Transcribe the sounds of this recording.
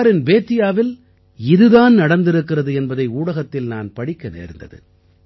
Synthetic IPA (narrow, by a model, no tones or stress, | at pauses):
ɾɪnbeːt̪ːɪjaːʋɪl | ɪðɯðaːnnɐɽɐnd̪ɪɾɯkːɪrɐðɯɛnbɐðɐɪuːɽɐɣɐt̪ːɪlnaːnpɐɽɪkːɐnḛːɾnd̪ɐ̰ðɯ̰